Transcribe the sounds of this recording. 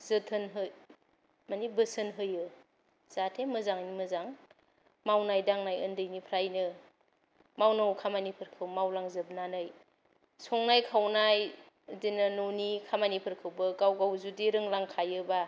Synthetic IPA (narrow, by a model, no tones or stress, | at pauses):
zɯtʰɯnɦɯj | manibɯsɯnɦɯjɯ | z̥atʰemɯzaŋnimɯzaŋ | mawnajdaŋnajɯndɯjnipʰɾajnɯ | mawnawkʰamanipʰɯɾkʰɯwmawlaŋzɯb̚nanɯj | sɔŋnajkʰawnaj | dinɯnonikʰamanipʰɯɾkʰɯwbɯɡawɡawzudiɾɯŋlaŋkʰajɯba